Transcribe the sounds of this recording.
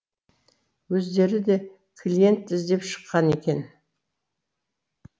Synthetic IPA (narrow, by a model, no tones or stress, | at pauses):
wɵzd̪e̞ɾɪd̪e̞ | kʰlʲije̞nt̪ɪzd̪e̞pʃə̥qːɑnekʲe̞n